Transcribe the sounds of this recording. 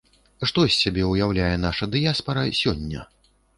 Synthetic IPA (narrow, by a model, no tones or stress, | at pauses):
ʂt̪ɔsʲːabʲɛujawlʲajɛnaʂɐd̪ɨjaspɐɾɐsʲɔnʲːɐ̰